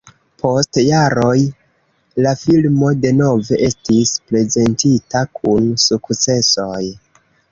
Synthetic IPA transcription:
pʰo̞stjaɾo̞j | lafilmo̞de̞no̞ve̞ʔe̞stisple̞ze̞ntitakʰunsukt͡se̞so̞j

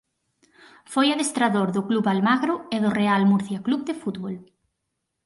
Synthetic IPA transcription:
fojaðest̪ɾaðoɾðʊkluβalmaɣɾʊeðʊrealmuɾθjakluβd̪ɪfut̪βol

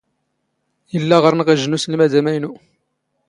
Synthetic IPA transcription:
əlːæʁəɾˤnəʁæʒnuslmæd̪æmæjnu

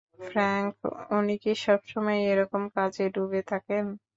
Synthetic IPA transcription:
fɾaŋkunikiʃɔbʃɔmɔeeɾɔkomkad͡ʑeɖubet̪ʰaken

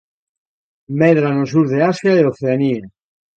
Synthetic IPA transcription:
meðɾanos̬uɾðeasjaeoθeanie

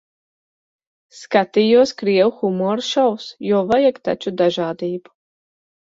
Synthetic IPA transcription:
skat̪iːjuɔskɾiɛwuxumɔːɾʃawsjuɔvajakt̪a̰t͡ʃud̪aʒaːd̪iːbu̥

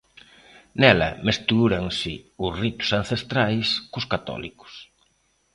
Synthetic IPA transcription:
nɛlɐ̰mest̪uɾɐŋsɪʊsrit̪ʊ̥san̟θest̪ɾajskʊskat̪ɔ̰likʊ̥s

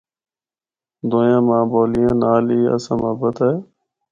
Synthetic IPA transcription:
d̪oːjãːmãːboːlijãːnaːliːə̰sãːməːbət̪ɛː

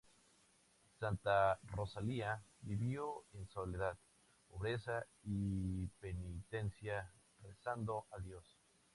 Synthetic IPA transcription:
sant̪aro̞saliabiβjoenso̞le̞ðað | po̞βɾe̞saipe̞nit̪e̞nsja | resand̪o̞ʔaðjo̞s

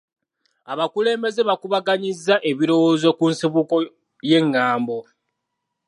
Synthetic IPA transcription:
aβakule̞ːmbe̞ze̞βakuβaɡaɲizːaʔe̞βiɾo̞wo̞ːzo̞kunsiβuko̞ | je̞ŋːaːmbo̞

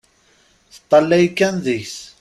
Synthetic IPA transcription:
θə̥t̪ˤːɑlːæjkːænðiçs

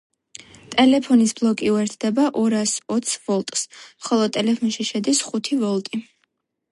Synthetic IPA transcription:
t̪ʼɛlɛpʰɔnisblˠɔkʼiuɛɾt̪ʰd̪̥ɛbaʔɔɾasɔt̪sʰvɔlˠt̪ʼsmχɔlˠɔt̪ʼɛlɛpʰɔnʃiʃɛd̪isχut̪ʰivɔlˠt̪ʼi

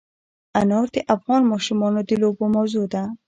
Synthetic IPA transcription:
anɑɾd̪əʔafɣɑnmɑʃumɑnod̪əlobomawzod̪a

